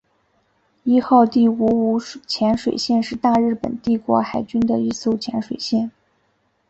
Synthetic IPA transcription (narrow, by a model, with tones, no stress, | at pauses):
i˥xɑ˥˧ʊt̪i˥˩u˧˥u˧˥t͡ɕʰjɛ˧˥nʂwe˨˩ɪɕjɛ˥˧nʂɻ̩˥˧t̪a˥˧ɻɻ̩˥˩pə̰˨˩nt̪i˥˩kwɔ̰˧˥xa˨˩ɪt͡ɕy˥nd̪ə˨i˥˧so˥ʊt͡ɕʰjɛ˧˥nʂwe˨˩ɪɕjɛ˥˩n